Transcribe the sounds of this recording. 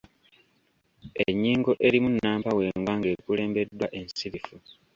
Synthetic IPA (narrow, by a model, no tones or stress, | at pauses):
eɲːiːŋɡo̞ʔe̞ɾimunːaːmpawe̞ːŋɡwaŋɡe̞ːkule̞ːmbe̞dːwaʔe̞nssiɾifu